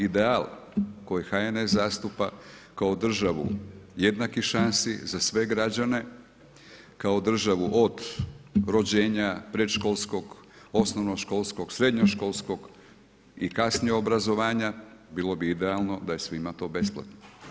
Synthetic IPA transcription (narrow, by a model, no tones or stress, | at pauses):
id̪eal | ko̞jixajenezast̪upakaod̪r̩ʒaʋṵje̞d̪nakiʃansḭzasʋe̞ɡɾad͡ʑane̞ | kao̞d̪r̩ʒaʋuʔod̪ɾo̞d͡ʑeːɲapɾet̪ʃkolˠsko̞ɡ | o̞snoʋnoʃko̞lˠsko̞ɡ̥sɾe̞d̪ɲoʃko̞lˠsko̞ɡ | ḭkasnieobɾazo̞ʋaːɲabilo̞biid̪ealno̞d̪aje̞sʋimat̪o̞be̞splˠa̰t̪no